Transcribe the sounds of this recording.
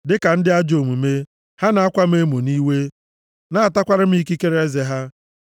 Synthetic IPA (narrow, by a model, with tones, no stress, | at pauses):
dɪ˦ka˨n̩˦dɪ˦a˦d͡ʒo˨mu˨me˦ | ha˦na˨a˦kʷa˦m̩˦e˦mo˨ni˦we˦ | na˦a˨ta˦kʷa˦ɾɪ˦m̩˦i˦ki˦ke˦ɾe˦ze˨ɦa˦